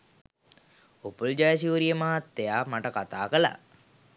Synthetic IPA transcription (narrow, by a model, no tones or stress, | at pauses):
opuld͡ʒajas̬iuɾijəmaɦat̪ːejaːmaʈəkat̪aːkəla̰